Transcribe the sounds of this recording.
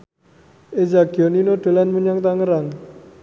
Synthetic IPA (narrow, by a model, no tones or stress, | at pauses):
ed͡ʒakjoninoʈelanməɲaŋt̪aŋəɾaŋ